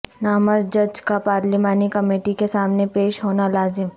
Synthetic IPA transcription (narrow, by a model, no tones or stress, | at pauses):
naːməzd͡ʒɐd͡ʒkapaːɾlimaːnikɐmeːʈikesaːmnepeːʃɦoːnalaːzɪm